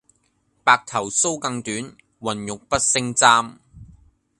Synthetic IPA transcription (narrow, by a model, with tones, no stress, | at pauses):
paː˨˧k̚t̪ʰɐ˨˩wso˥wkɐ˧ŋt̪yː˨˥n | wɐ˨˩njʊ˨k̚pɐ˥t̚sɪ˥ŋt͡saː˥m